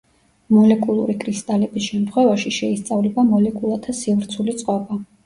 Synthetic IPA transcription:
mɔlɛkʼulˠuɾikʰɾist̪ʼalɛbisʃɛmt̪χwɛvaʃiʃɛist̪sʼavlɛbamɔlɛkʼulˠat̪ʰasivɾt̪sʰulit̪sʼqʼɔba

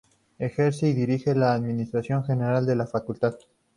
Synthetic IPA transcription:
e̞xe̞ɾseiðiɾixe̞laːðminist̪ɾasjo̞ŋxe̞ne̞ɾald̪e̞lafakult̪að

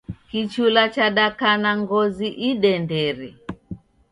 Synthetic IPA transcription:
kit͡ʃulat͡ʃaɗakanaŋɡɔziʔiɗɛndɛɾɛ

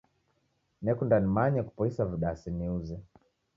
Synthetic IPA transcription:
nɛkundanimaɲɛku̥pɔisaviɗasiniuzɛ

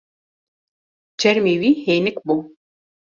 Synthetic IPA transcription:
d͡ʒɛɾmeːwiːheːnɪkbu

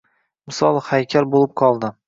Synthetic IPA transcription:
mɪsɒlˠhajkʲʰaɾbolɪp̚qʰɒlˠd̪ɪ

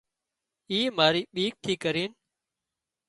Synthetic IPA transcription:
iːmaːɾiːɓiːk̚t̪ʰiːkəɾiːn

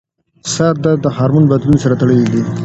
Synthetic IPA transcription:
saɾ̚d̪ad̪əhɑːɾmunbad̪lunesaɾat̪aɽəlid̪i

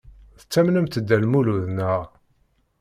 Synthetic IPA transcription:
θə̥t͡sːæmnəmt̪əd̪ːælmuluðnəʁ

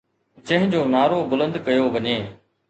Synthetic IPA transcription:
t͡ɕə̃ɦɪ̃d͡ʑoːnaːɾoːbʊlə̃nd̪kɐjoːʋɐɲeː

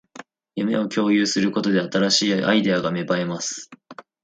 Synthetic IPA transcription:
jɯme̞o̞kʲo̞ːjɯːsɨɾɯ̟ko̞t̪o̞d̪e̞at̪aɾaɕiːʔa̰id̪e̞aɡame̞bae̞masɨ̥

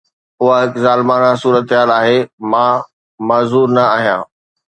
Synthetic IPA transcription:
ʊɦaɦɪkzaːlmaːnãsuːɾət̪ɦaːlaːɦemãː | mɐːzuːɾnɐaːɦijã̰ː

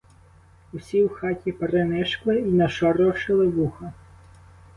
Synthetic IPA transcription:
usʲiwxɑtʲipeɾenɛʃklˠɪinɐʃɔɾɔʃɪlˠɪʋuxɐ

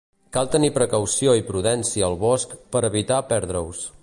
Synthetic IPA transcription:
kalˠt̪ənipɾəkəwsioipɾuðɛnsiəːlˠβɔskpəɾəβit̪apɛɾðɾəws

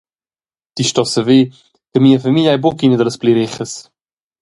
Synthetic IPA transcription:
d̪̥iʃtɔsəve | t̪əmiːəfamilʲajbokinəd̪ələspliɾɪχəs

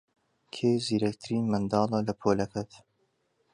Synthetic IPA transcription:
kʰeːziːɾɐk̚t̪ʰɨɾiːnmɐnd̪ɑːlɑlɐpʰoːlɐkʰɐt̪

